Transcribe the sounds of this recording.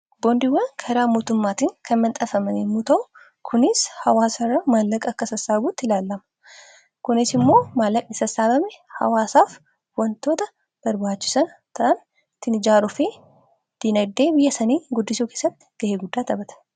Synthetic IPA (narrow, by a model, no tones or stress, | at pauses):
bond̪ɪwːɐnkʰɐɾaːmoːt̪ʊmːaːt̪iːŋkʰɐnmɐnt̪ʼɐfɐmɐnemut̪ɐʔʊ | kʰʊnɪshɐwaːsɐrːɐmaːlːɐkʼɐkːɐsɐsaːbuːt̪ːɪlaːlːɐmɐ̥ | kʊnɪsɪmːo̞ːmaːlːɐkʼnɪsɐsaːbɐmɛhɐ̰waːsaːf | wɐnt̪o̞ːt̪ɐ | b̥ɐɾbaːt͡ʃːɪsɐnt̪ʰɐn | t̪ːɪnɪd͡ʒaːɾʊfeː | d̪̥inɐd̪ːeːbɪjːɐsɐneːɡʊd̪ːɪsuːke̞ːsːɐt̪ːɪ̥ɡ̥ɐheːɡʊd̪ːaːt̪ɐbɐt̪ɐ̥